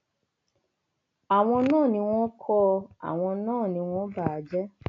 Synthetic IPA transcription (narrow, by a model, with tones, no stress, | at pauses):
a˨w̃ɔ̃˧nãː˦˨nĩ˧w̃ɔ̃˦kʰɔ˧a̰˨w̃ɔ̃˧nãː˦˨nĩ˧w̃ɔ̃˦ba˦˨a˨d͡ʒɛ˦